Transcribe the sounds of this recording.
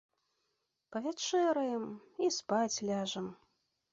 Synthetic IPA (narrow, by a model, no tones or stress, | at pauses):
pɐvʲat͡ʂɛɾɐjɛmispat͡sʲlʲaʐɐm